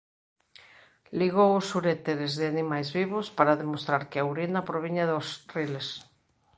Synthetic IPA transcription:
liɣowʊsuɾet̪eɾezðɪanimajzβiβospaɾaðemost̪ɾaɾkeawɾinapɾoβ̞iɲaðosriles

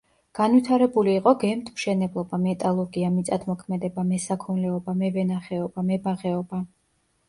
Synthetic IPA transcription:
ɡ̥anwit̪ʰaɾɛbuliːqʼɔɡɛmt̪ʰmʃɛnɛblˠɔbamɛt̪ʼalˠɔɾɡiamit̪sʼad̪ʰmɔkʰmɛd̪ɛbamɛsakʰɔnlɛɔbamɛvɛnaχɛɔbamɛbaʁɛɔba

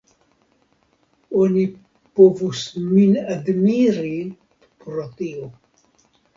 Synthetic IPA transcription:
oni | povusminad̪miɾi | pɾot̪io

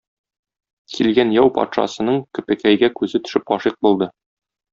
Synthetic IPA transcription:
kʰilɡænjɒwpɒ̰t̪ʃɑ̰sɤ̆nɤɴkɵ̆pɘkæjɡækʉzɘt̪ɵ̥̆ʃɘp̚ɒʃiq̚bulˠd̪ɤ

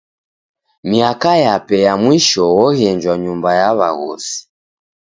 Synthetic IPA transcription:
miakajapɛjamwiʃɔwɔɣɛɲd͡ʒwaɲumbajaβa̰ɣɔ̰si̥

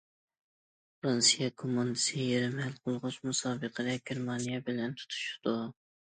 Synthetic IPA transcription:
fɾɑnsijɛkʰomːɑnd̪ɪsɪjeɾɪmhælqʰʊlˠʁʊt͡ʃmusɑːbɨqʰəd̪ɛɡʲeɾmɑnijɛbɪlɛnt̪ʰu̥t̪ʰu̥ʃu̥d̪u

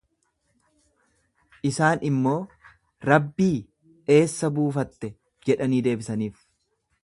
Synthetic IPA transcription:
ʔɪsaːnɪmːo̞ː | ɾɐbːiː | e̞ːsːɐbuːfɐt̪ːɛ | d͡ʒɛᶑɐniːd̪e̞ːbɪsɐniːf

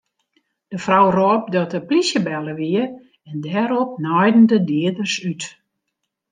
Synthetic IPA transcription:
d̥əfrɔwroːp̚dɔtəplisjəbɛlˠəʋiə | ɛndɛɾɔp̚nɔjdn̩dədiədərsyt

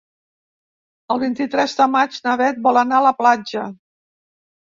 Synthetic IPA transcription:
əlˠβint̪it̪ɾɛzðəmad͡ʒnəβɛt̪̚bɔlənaələplad͡ʒə

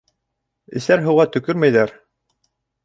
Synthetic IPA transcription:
ɘ̰̆sæɾɦɤ̆wʁɑt̪ɵ̆kɵɾmæjðæɾ

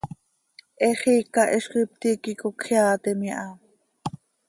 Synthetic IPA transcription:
ʔɛχiːkɑʔɛʃqip̚t̪ikikokχjaːt̪ɛmiʔɑ

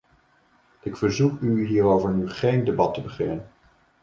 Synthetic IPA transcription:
ʔɪkfəɹzukyɦiːɾowvəɹnyχejndebɑtəbəχɪnən

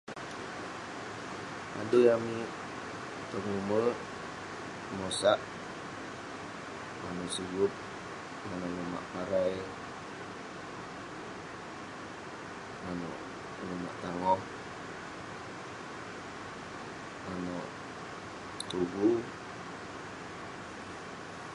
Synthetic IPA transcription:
a̰dujami | pəŋuməl | mɔsaʔ | manɔʔsiɡʊp̚ | manɔnɔma̰ʔpaɾaj | manɔ̰ʔ | numa̰ʔt̪aŋɔh | manɔʔ | t̪uɡu

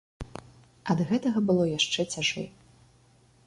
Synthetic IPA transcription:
ɐd̪ɣɛt̪ɐɣɐbɨlˠɔjaʂt͡ʂɛt͡sʲaʐɛ̰

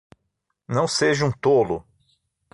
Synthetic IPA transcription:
nɐ̃w̃seʒɐũt̪olʊ

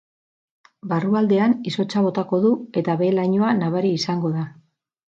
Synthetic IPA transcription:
baruald̪e̞aniso̞t͡ʃaβ̞o̞t̪ako̞ðue̞t̪aβe̞laɲoanaβaɾiːsaŋɡo̞ða

